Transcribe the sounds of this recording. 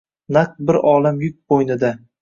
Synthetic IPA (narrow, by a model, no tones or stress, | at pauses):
naq̚bɪɾɒlˠamjʊk̚ʲbojnɪd̪a